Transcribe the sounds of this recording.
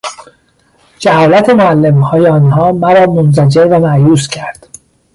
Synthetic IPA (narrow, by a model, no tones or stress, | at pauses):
d͡ʒæhɒːlæt̪ʰe̞moælːemhɒːjeɒːnɦɒːmæɾɒːmonzæd͡ʒeɾvæmæʔjuːscʰæɾd̪̥